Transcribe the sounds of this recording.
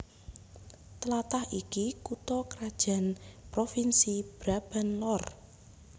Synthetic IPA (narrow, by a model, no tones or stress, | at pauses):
t̪əlat̪ahikikut̪ɔkəɾad̥ʒ̥ä̤npɾofinsib̥ɾab̥a̤nlɔr